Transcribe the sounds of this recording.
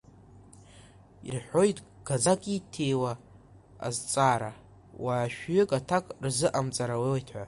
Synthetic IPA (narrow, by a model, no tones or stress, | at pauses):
irħʷo̞jtʼ | ɡ̥ad͡zakʼitʰe̞jwa̰ː | zt͡sʼaɾa | waːʃᶣɥʏkʼatʰakʼrzɨʔamt͡sʼaɾawewatʰħʷa